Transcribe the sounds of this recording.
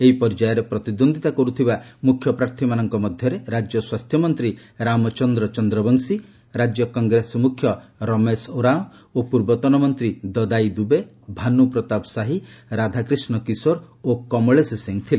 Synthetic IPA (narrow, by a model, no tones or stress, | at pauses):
eɦipɔɾd͡ʒajɔɾepɾɔt̪id̪ond̪ʱit̪akɔɾut̪ʰibamukʰːjɔpɾaɾt̪ʰimanɔŋkɔmɔd̪ʱjɔɾeɾad͡ʒjɔswast̪ʰjɔmɔnt̪ɾiɾamɔt͡ʃɔnd̪ɾɔt͡ʃɔnd̪ɾɔbɔŋsi | ɾad͡ʒjɔkɔŋɡɾesmukʰjɔɾɔmesoɾaɔ | opuɾbɔt̪ɔnɔmɔnt̪ɾid̪ɔd̪ajd̪ube | bʱanupɾɔt̪apsaɦiɾad̪ʱakɾisnɔkisoɾokɔmɔɭesesiŋt̪ʰile